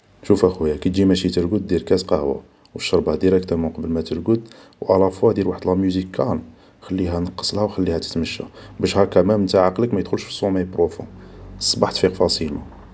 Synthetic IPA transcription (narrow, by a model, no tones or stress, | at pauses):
ʃufæxwjækæt̪d͡ʒimæʃit̪əɾɡəd̪̚ːiɾkæt̪qɑhwa̰ | wəʃːɑɾˤbɑd̪iɾækt̪æmʊqɑbəlmæt̪əɾɡəd̪wʔælɑfwæd̪jəɾwaħd̪lhæmjuzikʰːæl | xælːiɦænɑqːə̥sˤlhæwxælːihæt̪ə̥t̪məʃːæ̰bəʃhɑɾkæmæmnt̪aʕaqləkmæjd̪xʊlʃfi̥sˤːuməjpɾofṵ̃ | sˤbɑħt̪fiqfɑsˤilṵ